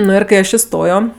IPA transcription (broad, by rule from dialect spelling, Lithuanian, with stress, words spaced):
ˈnʊ ɪr kɐɪ ˈɐʃ ɪˈstoːjoː